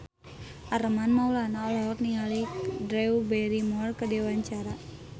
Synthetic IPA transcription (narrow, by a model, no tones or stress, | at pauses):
ʔaɾəmanmaulanaɔlɔɦɔt̪niŋalidɾɛubɛɾimɔrkədewaɲt͡ʃaɾa